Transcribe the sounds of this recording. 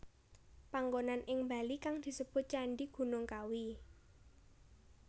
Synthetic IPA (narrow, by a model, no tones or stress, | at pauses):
paŋɡonanʔɪŋmba̤likaŋd̪̥i̤səb̥ʊ̤t̪̚t͡ʃaɳɖiɡ̥ṳnʊŋkawi